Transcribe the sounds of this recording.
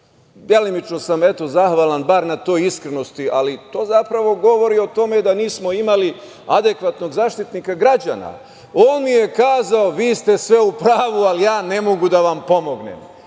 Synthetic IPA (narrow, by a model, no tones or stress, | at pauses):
d̪jelimit͡ʃno̞same̞t̪o̞zaxʋalˠanbaɾnat̪o̞ːjiskɾeno̞st̪iʔalit̪o̞ːzapɾaʋo̞ɡo̞ʋo̞ɾio̞t̪o̞me̞d̪aniːsmo̞imali | ad̪e̞kʋat̪no̞ɡzaːʃt̪it̪nikaɡɾad͡ʑana̰ | oːnmije̞kaːzaoʋiːst̪e̞sʋe̞upɾaːʋualijaːnemo̞ɡud̪aʋampo̞mo̞ɡnḛm